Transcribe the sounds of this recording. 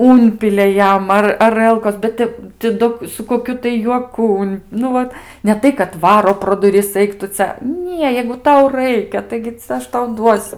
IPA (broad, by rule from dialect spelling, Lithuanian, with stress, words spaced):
ˈʊnʲpʲɪlʲɛ ˈjɛm ˈɐr ɐˈrəlˠkoːs bʲɛt ˈtʲɛp tʲɪ ˈdoː sʊ koːˈkʲʊ tɐɪ juɔˈkʊ ʊn ˈnʊ ʋɐt nʲɛ ˈtɐɪ kɐt ˈʋɑːroː proː dʊˈrʲɪs ˈɐɪk tʊ ˈt͡sʲɛ ˈnʲiɛ jɛɪɡʊ ˈtɐʊ ˈrɐɪkʲɛ ˈtɐɪɡʲɪ t͡sʲɛ ˈɐʃ tɐʊ ˈduɔsʲʊ